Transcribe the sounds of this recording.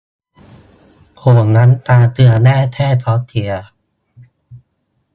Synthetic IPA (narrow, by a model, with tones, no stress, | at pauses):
kʰoː˨˩əŋna˦˥nt̪aː˧t̪ɯ˧ɐnɛː˥˩t̪ʰɛː˥˩t̪ʰɔ˦˥t̪ʰi˧˩ɐ